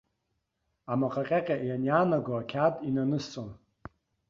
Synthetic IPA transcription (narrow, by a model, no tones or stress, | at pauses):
amaqʼaqʲʼaqʲʼaʔjanjanaɡoakʲʰatʼinanɨst͡sʼon